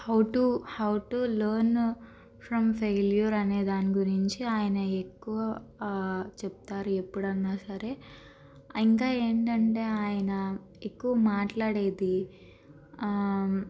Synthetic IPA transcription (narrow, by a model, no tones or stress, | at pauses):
hɐwʈuhɐwʈulɐːɾn | pʰɾɐmpʰeːljɐɾɐne̞ːd̪aːniɡuɾiɲt͡ʃiaːjɐnɐekːuʋɐ | t͡ʃep̚t̪aːɾue̞pːuɽɐnːaːsɐɾe̞ː | iŋkaːe̞ːɳʈɐɳʈe̞ːaːjɐnɐ | ekːuʋɐmaːʈlaːɽeːd̪i